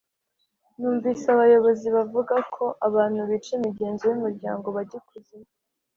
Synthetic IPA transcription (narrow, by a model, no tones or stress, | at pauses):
nuːɱviːsaβajo̞βo̞ziβavuɡakʰo̞ʔaβaːn̥huβiːt͡ʃemiɟe̞ːnzejumuɾɟa̰ːŋɡo̞βaɟikuze